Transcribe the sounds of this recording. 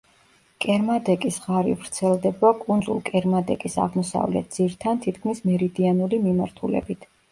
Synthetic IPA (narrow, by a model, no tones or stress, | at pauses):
kʼɛɾmad̪ɛkʼisʁaɾḭvɾt̪sʰɛlˠd̪ɛbakʼund̪zṵlˠkʼɛɾmad̪ɛkʼisa̰ʁmɔsa̰vlɛ̰t̪̚d̪z̥iɾt̪ʰant̪ʰit̪ʰkʰmismɛɾid̪ianulimimaɾt̪ʰulɛ̰bit̪ʰ